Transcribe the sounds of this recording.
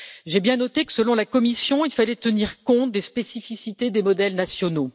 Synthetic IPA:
ʒebjɛ̃nɔt̪ekə̥səlɔ̃lakɔmisjɔ̃ilfalɛt̪əniʁkɔ̃t̪̚d̪espesifisit̪ed̪emɔd̪ɛlnasjɔno

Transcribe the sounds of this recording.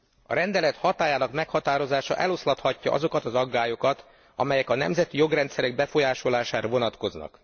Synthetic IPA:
ɒ̰ɾɛnd̪ɛlɛt̪hɒt̪aːjaːnɒkmɛkhɒt̪aːɾo̞zaːʃɒ̰ʔɛlo̞slɒt̪hɒcːɒ̰ʔɒ̰zo̞kɒt̪ɒzɒɡːaːjo̞kɒt̪ | ɒ̰mɛjɛkɒnɛ̰mzɛt̪ijo̞ɡrɛnt̪sɛɾɛɡ̚bɛfo̞jaːʃo̞laːʃaːɾɒvo̞nɒt̪ko̞znɒ̰k

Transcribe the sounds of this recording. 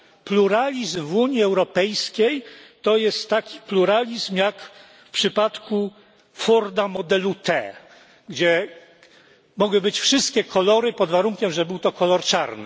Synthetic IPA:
pluɾalʲizmvuɲjiɛwɾɔpɛjskʲejt̪ɔjɛst̪ːakʲi̥pluɾalʲizmjak | fpʂɘpat̪ku | fɔɾd̪amɔd̪ɛlut̪ɛ̰ | ɡd͡ʑɛ | mɔɡwɘbɘt͡ɕfʂɘst̪kʲɛkʰɔlɔɾɘpɔd̪vaɾuŋkʲɛmʐɛbɘwt̪ɔkɔlɔɾt͡ʂaɾnɘ̰

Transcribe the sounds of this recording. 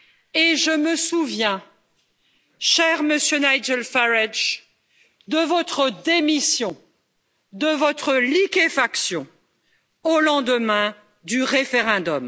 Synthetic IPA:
eʒəməsuvjɛ̃ | ʃɛʁməsjønajd͡ʒɛlfaʁɛʒ | d̪əvɔt̪χəd̪emisjɔ̃ | d̪əvɔt̪χəlikefaksjɔ̃ | olɑ̃d̪əmɛ̃ | d̪yʁefeʁɛ̃d̪ɔm

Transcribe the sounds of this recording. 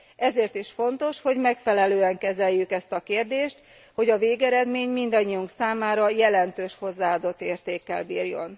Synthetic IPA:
ʔɛzeːrt̪iʃfo̞nt̪o̞ʃho̞ɟmɛkfɛlɛløːɛŋkɛzɛjːykɛst̪ɒkeːrd̪eːʃt̪ | ho̞ɟɒveːɡɛɾɛd̪meːɲmind̪ɒɲːijuŋksaːmaːɾɒjɛlɛnt̪øːʃho̞zːaːaːd̪o̞t̪ːeːrt̪eːkːɛ̰lbiːrjo̞̰n

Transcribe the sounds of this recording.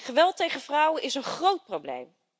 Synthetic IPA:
χəʋɛlˠtejχəvrʌwənʔɪsənχrowt̚prowblḛjm

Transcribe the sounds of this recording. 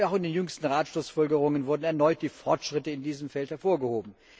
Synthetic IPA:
aʊxɪndeːnjʏŋstn̩ʁaːtʃlʊsfɔlɡəʁʊŋənvʊɐdn̩ɛɐnɔʏt̚d̥iːfɔɐtʃʁ̥ɪtəɪndiːzəmfɛlthɛɐfoːɐɡəhoːbm̩

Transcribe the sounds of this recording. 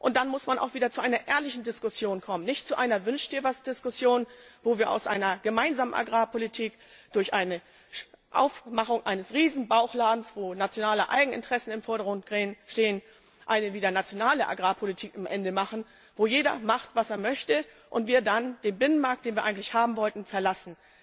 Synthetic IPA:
ʔʊnt̚d̥anmʊsmanʔa̰ʊxviːdɐt͡suʔaɪnɐʔɛːɐlɪçn̩dɪskʊsjoːnkʰɔmənɪçtt͡suʔaɪnɐvʏnʃtd̥iːɐvasd̥ɪskʊsjoːnvoːviːɐʔa̰ʊsʔa̰ɪnɐɡ̥əmaɪnzaːmənʔa̰ɡʁaːpʰolitʰiːk | d̥ʊɐçʔaɪnə | ʃʔa̰ʊfmaχʊŋʔaɪnəsʁiːzn̩baʊxlaːdn̩sv̥oːnat͡sjonaːləʔa̰ɪɡŋ̩ʔɪ̰ntʁ̥ɛsn̩ɪmfɔɐɾɐɡʁʊnt̚ɡ̥ʁeːənʃteːən | ʔaɪnəviːdɐnat͡sjonaːləʔa̰ɡʁaːpʰolitʰiːkamʔɛndəmaχn̩ | voːjeːdɐ̰maχtv̥aseːɐmœçtə | ʔʊntv̥iːɐdand̥eːnbɪnənmaɐk̚td̥eːnviɐʔaɪɡŋ̩tlɪçhaːbm̩vɔltn̩fɛɐlasn̩

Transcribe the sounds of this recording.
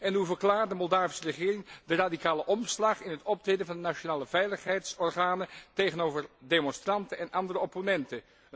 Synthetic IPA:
ɛnɦuvərklaːrtdəmɔlˠdaːvisərəχɪːrɪŋdəradikaːləʔɔmslɑχɪnɦətɔp̚trejdənvɑndənaʃonaːləvɛjləχɦɛjtsɔrχaːnətejχənoːvərdemɔnstrɑntənɛnʔɑndərəɔponɛntə

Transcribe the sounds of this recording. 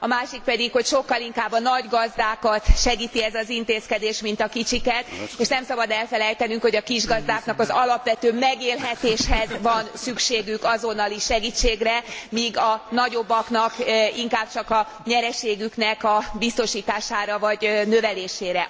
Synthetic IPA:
ɒmaːʃik̚pɛd̪ikho̞cʃo̞kːɒliŋkaːbːɒnɒɟɡɒzd̪aːkɒt̪ʃɛɡiːt̪iɛzɒzint̪eːskɛd̪eːʃmint̪ɒkit͡ʃikɛt̪eːʃnɛmsɒbɒd̪ɛlfɛlɛjt̪ɛnyŋkhoɟɒkiʒɡɒzd̪aːknɒkɒzɒlɒpʋɛt̪øːmɛɡeːlɦɛt̪eːʃhɛzvɒnsykʃeːɡykɒzo̞nɒliʃɛɡiːt͡ʃːeːɡrɛmiːɡɒnɒɟo̞bːɒknɒkiŋkaːb̚t͡ʃɒkɒ | ɲɛɾɛʃeːɡyknɛkɒbist̪o̞ʃiːt̪aːʃaːɾɒvɒɟnø̞vɛleːʃeːɾɛ

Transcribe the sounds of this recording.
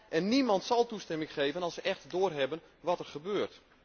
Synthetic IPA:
ʔɛnːimɑntsɑlˠtustɛmɪŋχejːvənɑlˠsəʔɛxtdoːrɦɛbən | ʋɑtɛrχəbøːrt

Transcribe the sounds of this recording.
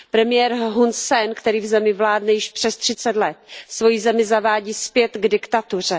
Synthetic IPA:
pɾɛmɪjɛːɾɦunssɛnkt̪ɛɾiːvzɛmɪvlaːdnɛjɪʃpr̥ɛst̪r̥ɪt͡sɛt̪lɛt̪svo̞jizɛmɪzavaːɟiːspjɛt̪ɡdɪkt̪at̪ur̝ɛ

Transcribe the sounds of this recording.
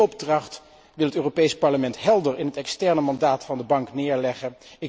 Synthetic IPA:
ɔbdrɑχt | ʋɪlˠɦətøːropejspɑɹləmɛntɦɛlˠdəɹɪnɦətɛkstɛɹnəmɑndaːtfɑndəbɑŋknɪːɹlɛχəɪk

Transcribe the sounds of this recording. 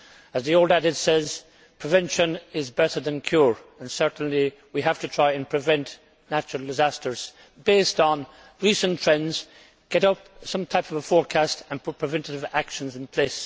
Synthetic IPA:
əzðioʊlˠdæɾɨdsɛz̥ | pʰɹ̥ɨvɛ̃nʃə̃nɪzbɛɾə˞ðə̃nkʰj̥uɹə̃nsɜ˞ʔn̩li | wiɦæftɨtʰɹ̥aɪɨ̃npʰɹ̥ɨvɛ̃nʔ | næt͡ʃəɹl̩ˠdɪzæstə˞z̥ | beɪstn̩ | ɹisə̃ntʰɹ̥ɛ̃ndz | ɡ̥ɛɾʌp̚ | sʌ̃mtʰaɪpʌvfɔɹkʰæstə̃n̚ʰpʰɹ̥ɨvɛ̃ntɨɾɨvakʃə̃nzɨ̃npʰl̥eɪs

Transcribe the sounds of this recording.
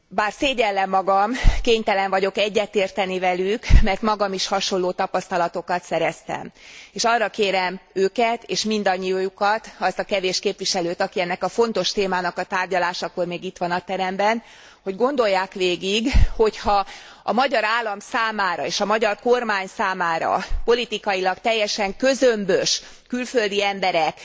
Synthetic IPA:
baːrseːɟɛlːɛmːɒɡɒmkeːɲt̪ɛlɛɱvɒɟo̞kɛɟːɛt̪eːrt̪ɛnivɛlykmɛrt̪mɒɡɒmiʃhɒʃo̞nlːoːt̪ɒpɒst̪ɒlɒt̪o̞kɒt̪sɛɾɛst̪ɛ̰meːʃɒrːɒkeːɾɛmøːkɛt̪eːʃmind̪ɒɲːijjukɒt̪ɒst̪ɒkɛveːʃkeːpʋiʃɛløːt̪ɒkiɛnːɛkɒfo̞nt̪o̞ʃt̪eːmaːnɒkɒt̪aːrɟɒlaːʃɒko̞rmeːɡit̪ʋɒnɒt̪ɛɾɛmbɛn | ho̞ɟɡo̞nd̪o̞jːaːkʋeːɡiɡho̞chɒ | ɒmɒɟɒɾaːlːɒmsaːmaːɾɒeːʃɒmɒɟɒrko̞rmaːɲsaːmaːɾɒ̰po̞lit̪ikɒjilɒkt̪ɛjːɛʃɛŋkøzømbøʃ | kylfø̞ld̪iɛmbɛɾɛk

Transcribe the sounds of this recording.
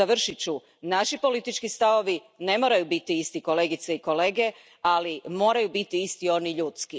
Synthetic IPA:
aʋr̩ʃit͡ɕu | naʃipo̞lit̪it͡ʃkist̪aʋo̞ʋi | ne̞mo̞ːɾajubit̪iist̪iko̞le̞ːɡit̪seiko̞le̞ːɡe̞ | alimo̞ːɾajubit̪iist̪io̞niʎuːt̪ski

